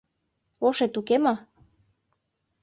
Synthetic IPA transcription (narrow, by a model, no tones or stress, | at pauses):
oʃet̪ukemɑ